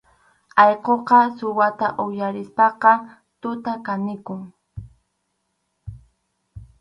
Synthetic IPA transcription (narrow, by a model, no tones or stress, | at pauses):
ɑjqoqɑsʊwat̪aʔʊjaɾɪspɑqɑ | t̪ʊt̪akanɪkʊŋ